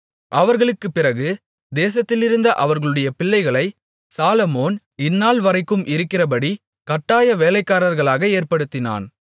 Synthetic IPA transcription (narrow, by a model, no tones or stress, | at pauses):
ʔɐʋɐɾɣɐɭɯkːɯpːɪrɐɣɯ | d̪eːsɐt̪ːɪlɪɾɯnd̪ɐʔɐʋɐɾɣɐɭɯɽɐjɐpɪɭːɐɪɣɐɭɐɪ | saːlɐmoːn | ɪnːaːlʋɐɾɐɪkːɯmʔɪɾɯkːɪrɐp̬ɐɽi | kɐʈːaːjɐʋeːlɐɪkːaːɾɐɾɣɐɭaːɣɐeːɾpɐɽɯt̪ːɪna̰ːn